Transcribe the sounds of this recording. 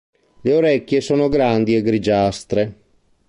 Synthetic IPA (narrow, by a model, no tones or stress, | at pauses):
leoɾɛkːjesoːnoɡɾand̪iɛɡɾid͡ʒast̪ɾe